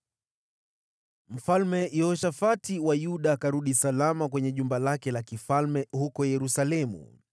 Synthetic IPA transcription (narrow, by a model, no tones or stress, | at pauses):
m̩falmɛjɔʃafatiwajuɗakaɾuɗisalamakwɛɲɛʄumbalakɛlakifalmɛhukɔjɛɾusalɛmṵ